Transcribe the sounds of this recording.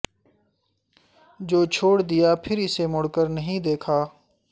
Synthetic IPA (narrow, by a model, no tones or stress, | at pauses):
d͡ʒoːt͡ʃʰoːɽd̪ɪjaːpʰɪɾɪsemʊɽkəɾnəɦĩd̪eːkʰaː